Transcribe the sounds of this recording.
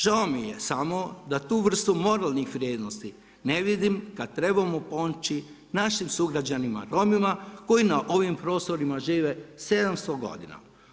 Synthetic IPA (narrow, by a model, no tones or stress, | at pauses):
ʒaomije̞samo̞d̪at̪uːʋr̩st̪umo̞ɾalˠnixʋɾʲje̞ːd̪nost̪i | ne̞ʋid̪imkad̪̚t̪ɾe̞bamopo̞nt͡ʃi | naʃimsuɡɾad͡ʑanima̰ɾo̞mimako̞jinaʔo̞ʋimpɾo̞ːst̪o̞ɾimaʒiːʋese̞d̪amst̪oɡo̞̰d̪ḭna̰